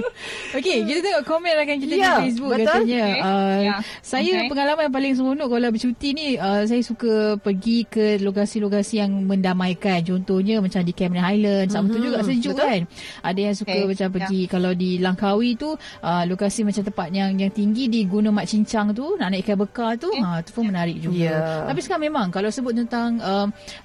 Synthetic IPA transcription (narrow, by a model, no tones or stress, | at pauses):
okekit̪at̪əŋɔʔkomɛ̃nrakank̬it̪afes̬buktkːat̪aɲaə | sajapəŋalamanjap̬alɪŋs̬əmunʊʔkalawbət͡ʃut̪iniəsajasukapərɡikəlokasilokasijaŋmə̃ndamajkant͡ʃɔnt̪ohɲəmat͡ʃamdikɛmnanajlənsamət̪ud͡ʒuɡaʔsəd͡ʒuʔkanʔadajaŋsukamat͡ʃampərɡikalawdilaŋkawit̪uʔəlokasimat͡ʃamt̪əpat̪̚jaŋjaŋt̪iŋɡidiɡunəmat̪̚t͡ʃiɲt͡ʃaŋt̪unaʔnaʔkabəkat̪uət̪u̥pʊnmənaɾɪk̚d͡ʒuɡat̪apisəkamẽmaŋkalawsəbʊt̪̚t̪ənt̪aŋəm